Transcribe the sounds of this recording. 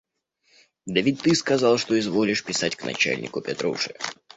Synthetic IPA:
d̪ɐvʲit̚ʲt̪ɨskɐzɑlˠʂt̪o̞ɪzvo̞lʲɪʂpʲɪsatʲknɐ̰t͡ɕæ̰lʲnʲɪ̰kʊpʲɪt̪ɾṵʂɨ̰

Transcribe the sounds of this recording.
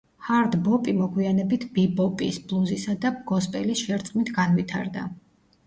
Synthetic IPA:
haɾd̪bɔpʼimɔɡwianɛbit̪ʰbibɔpʼḭsblˠuzisad̪abɡɔspʼɛlisʃɛɾt̪sʼqʼmit̪ʰɡanvit̪ʰa̰ɾd̪a̰

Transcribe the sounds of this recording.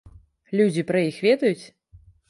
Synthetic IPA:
lʲud͡zʲipɾɐjixvʲɛd̪ɐjut͡sʲ

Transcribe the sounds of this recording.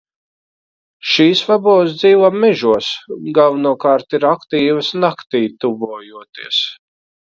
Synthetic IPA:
ʃiːsvabɔːsd̪ziːvamːɛʒuɔsɡavnuɔkaːɾt̪iɾakt̪iːvəsnakt̪iːt̪ubuːjuɔt̪iːɛs

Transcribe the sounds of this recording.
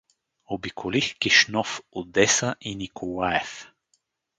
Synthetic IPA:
obikʰolixkiʃnɔfod̪ɛsaʔinikolˠaɛf

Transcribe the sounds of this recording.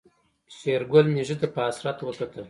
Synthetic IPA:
seɾɡolmiʒət̪apəasɾat̪wəkat̪ə

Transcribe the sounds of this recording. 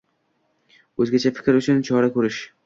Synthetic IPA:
ɵzɡʲat͡ʃʰafɪ̥kʲɾʊt͡ʃʰʊnt͡ʃʰɒɾakʰɵɾɪʃ

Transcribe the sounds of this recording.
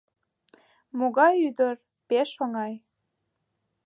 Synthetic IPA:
moɣɑjyd̪ər | peʃoŋɑj

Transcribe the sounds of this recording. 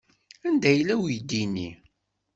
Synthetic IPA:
ænd̪æjəlːæwjd̪ini

